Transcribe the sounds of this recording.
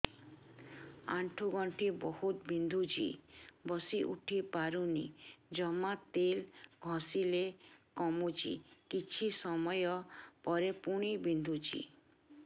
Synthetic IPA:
aɳʈʰuɡɔɳʈʰibɔhut̪bind̪ʱut͡ʃʰḭbɔsiʔṵʈʰipaɾunḭd͡ʒɔmat̪elɡʱɔ̃silekɔmut͡ʃʰḭkit͡ʃʰisɔmɔjɔpɔɾepuɽ̃ibind̪ʱut͡ʃʰḭ

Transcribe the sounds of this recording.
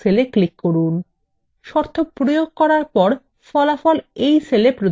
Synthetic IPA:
seleklikːoɾun | ʃɔɾt̪ʰopɾojoɡ̚kɔɾaɾpɔɾ | fɔlafɔlejselepɾo

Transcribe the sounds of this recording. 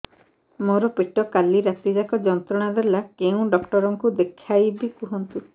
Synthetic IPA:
mɔɾɔpeʈɔkaliɾat̪id͡ʒakɔd͡ʒɔnt̪ɾɔɽ̃ad̪elakeũɖɔkʈɔɾɔŋkud̪ekʰajbikuɦɔnt̪u

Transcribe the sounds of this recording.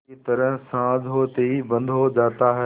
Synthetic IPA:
et̪ɐɾəɦsãːd͡ʒʱɦot̪eibɐ̃nd̪ʱod͡ʑaːt̪aɦɛ

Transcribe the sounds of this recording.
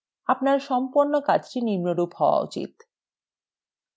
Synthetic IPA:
apnaɾʃɔmpoɾnokad͡ʑʈinimnoɾuphɔoa̰ṵt͡ɕḭt̪

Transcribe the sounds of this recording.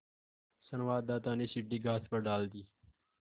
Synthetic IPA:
sənʋaːd̪ːaːt̪aːneːsɪʈːiːɡaːspəɾɖaːld̪iː

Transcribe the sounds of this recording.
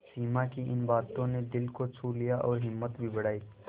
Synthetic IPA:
siːmakiʔɪnbaːt̪õned̪ɪlkot͡ʃʰuːlijaʔɔːɾɦɪmːət̪bʱibɐɽ̤aːiː

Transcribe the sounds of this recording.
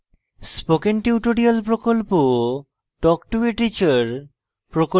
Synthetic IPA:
spokenʈiuʈoɽialpɾokolpo | ʈɔk̚ʈueʈit͡ɕaɾ | pɾoko

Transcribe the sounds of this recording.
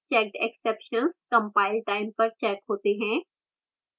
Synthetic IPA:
t͡ʃɛːkʈekseːpʃənskɐ̃mpaːɪlʈaːɪmpɐɾt͡ʃɛːkɦoːt̪eɦɛ̃ː

